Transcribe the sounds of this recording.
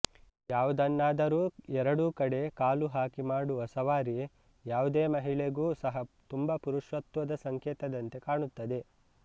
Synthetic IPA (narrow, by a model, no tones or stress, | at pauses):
jaːʋud̪ɐnːaːd̪ɐɾuːɛɾɐɽuːkɐɽe̞kaːluɦaːkimaːɽuɐsɐʋaːɾi | jaːʋud̪eːmɐɦiɭeɡuːsɐɦɐt̪umbɐpuɾuʃʋɐt̪ʋɐd̪ɐsɐŋkɛːt̪ɐd̪ɐnt̪e̞kaːɳut̪ːɐd̪e̞